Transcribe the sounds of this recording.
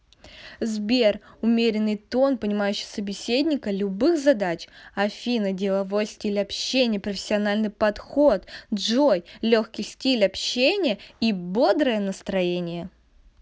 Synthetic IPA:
zbʲerʊmʲeɾʲɪnːɨjt̪o̞npənʲɪmajʉɕːɪ̥səbʲɪsʲedʲnʲɪkəlʲʊbɨxzɐd̪at͡ɕɐfʲinədʲɪlˠɐvo̞jsʲtʲilʲɐpɕːenʲɪjəpɾəfʲɪ̥sʲːɪɐnalʲnɨjpɐt̪xo̞t̪ʐojlʲoxkʲɪjsʲtʲilʲɐpɕenʲɪjəibo̞d̪ɾəjənəst̪ɾɐjenʲɪjə

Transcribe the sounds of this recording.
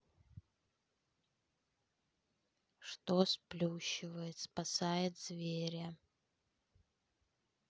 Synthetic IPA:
ʂt̪osplʲuɕɪvɐjɪt̪spasajɪt̪z̥vʲeɾʲɐ

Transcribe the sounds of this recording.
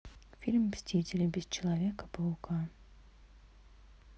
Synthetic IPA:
fʲilʲmsʲtʲitʲɪlʲəbʲɪst͡ɕɪlˠɐvʲekə̥pəlˠʊka

